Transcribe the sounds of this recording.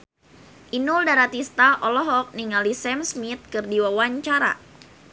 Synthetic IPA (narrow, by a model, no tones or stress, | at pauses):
ʔinuldaɾat̪ist̪aʔɔlɔɦɔk̚niŋalisɛmsmit̪̚kɨrdiwawaɲt͡ʃaɾa̰